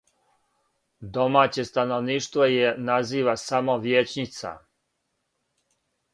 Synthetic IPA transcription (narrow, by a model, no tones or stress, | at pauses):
d̪o̞maːt͡ɕest̪ano̞ʋniːʃt̪ʋo̞jenaziːʋasamo̞ʋjet͡ɕɲit̪sa̰